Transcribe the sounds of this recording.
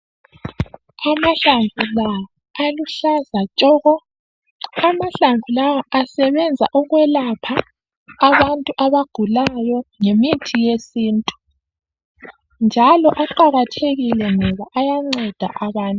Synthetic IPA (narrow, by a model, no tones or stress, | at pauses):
amaɬaɱvulawɔ | aluɬazat͡ʃʼɔɣɔ | amaɬaɱvʱulawɔʔasɛβɛnd͡zʱa̰ʔɔɣwɛlapʰaː | βantʼuʔaβaɡ̥ʱulajɔŋemitʰijesiːntʼu̥ | nd͡ʒʱalɔʔaǃaɣatʰeɣilɛŋɔβaʔajaŋ͡ǀɛd̥ʱa̰ʔaβaːntʼu